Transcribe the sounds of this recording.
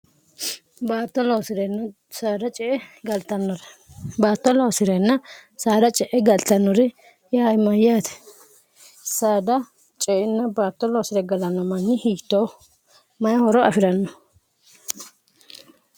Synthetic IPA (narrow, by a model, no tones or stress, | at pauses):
baːt̪ːɔlosɪɾɛnːɔ | saːd̪ɐt͡ʃʼɛʔɛɡɐlt̪ːɐnːɔɾɛ̥baːt̪ːɔloːsɪɾɛnːɐsaːd̪ɐt͡ʃʼɛʔɛɡɐlt̪ɐnːɔɾɪ | jaajmɐjaːt̪ɛ̥ | saːd̪ɐ | t͡ʃʼɛʔɪnːɐbaːt̪ːɔloːsɪɾɛɡɐlɐnːɔmɐnːɪhiːt̪ːo | mɐjɐhɔɾɔɐfɪɾɐnːɔ